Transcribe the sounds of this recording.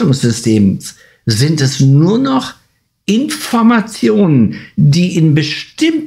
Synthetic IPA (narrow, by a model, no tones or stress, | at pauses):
ʊŋsz̥ʏstʰeːms | zɪntɛsnuːɐnɔχ | ʔɪnfɔɐmat͡sjoːnəndiːʔɪnbəʃtɪm